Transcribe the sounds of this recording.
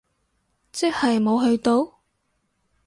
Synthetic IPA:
t͡sɛ˥k̚hɐ˨jmo˨˧wɦɵ˧ɥt̪o˧w

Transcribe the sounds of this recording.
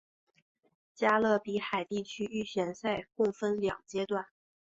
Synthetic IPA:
t͡ɕja˥lɤ˥˩pi˧˥xa˨˩ɪt̪i˥˩t͡ɕʰy˥y˥˩ɕɥɛ˧˥nsa˥˧ɪkʊ˥˩ŋfə˥nljɑ̰˨˩ŋt͡ɕjɛ˥t̪wa˥˩n

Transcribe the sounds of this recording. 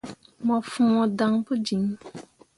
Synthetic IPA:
mɔ̃˨fũ˨mɔ̃˨dã˨˦ŋ˦pu˦d͡ʒi˨ŋ˦

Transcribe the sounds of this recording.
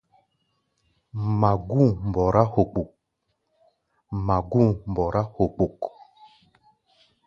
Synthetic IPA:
ma˨ɡu˦˨m˨bɔ˨ɾa˦ho˨k͡pu˨k̚ | ma˨ɡu˦˨m̩˨bɔ˨ɾa˦ho˨k͡pu˨k

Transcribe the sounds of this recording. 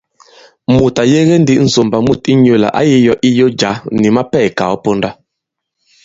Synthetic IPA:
mu˨ta˨je˦ɣe˦n˦di˦n̩˨so˨mba˨mu˦˨ti˦ɲo˦˨la̰˨ʔa˦ji˦jɔ˦ʔi˦jo˦d͡ʒa˨˦ni˨ma˦pɛ˦˨ka̰˨ɔ˦po˦nda˦

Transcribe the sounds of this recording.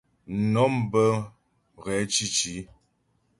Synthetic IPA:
nɔ˨˦mbə˦˨ | ɣɛ˨˦t͡ʃi˦t͡ʃi˨˦

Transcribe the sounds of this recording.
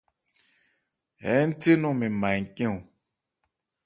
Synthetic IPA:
ɛ˨˦n̩˦te˦nũ˦mẽ˨mã˨ŋ̩˨kẽ˦u˨

